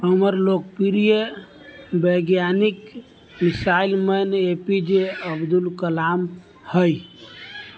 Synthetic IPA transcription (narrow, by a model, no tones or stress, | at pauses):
ɦəməɾlok̚piɾije | bəɡjanik | misailmənepid͡ʒeəbd̪ulkəlam | həj